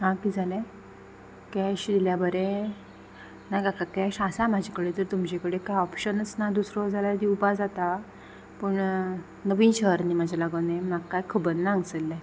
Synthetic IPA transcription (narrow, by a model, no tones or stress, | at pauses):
ɦãkiːd͡zʱalɛ̃ | kɛɕd̪iljabəɾɛ̃ | najɡakakɛɕasamad͡ʑʱekəɽet̪əɾt̪umd͡ʑekəɽekajɔpɕənət͡snad̪usɾɔd͡zʱalaɾd̪iupad͡zat̪a | pəɳ | nəʋinɕəɦəɾnimad͡ʑʱalaɡənẽmaɡkːajkʰəbənːaŋɡt͡səlːɛ̃